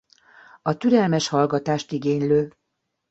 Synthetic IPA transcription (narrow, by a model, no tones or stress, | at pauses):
ɒt̪yɾɛlmɛʃhɒlɡɒt̪aːʃt̪iɡeːɲløː